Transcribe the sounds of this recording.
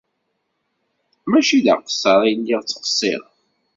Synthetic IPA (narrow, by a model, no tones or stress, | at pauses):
mæʃilə̰ʁqə̥sˤːəɾˤijəlːiʁt͡sːə̥qsˤːḭɾ